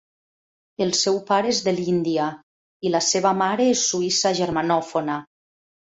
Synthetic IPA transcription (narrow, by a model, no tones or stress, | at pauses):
elˠsɛwpaɾeezðelind̪ia | ilaseβamaɾeesːuisaʒeɾmanɔfona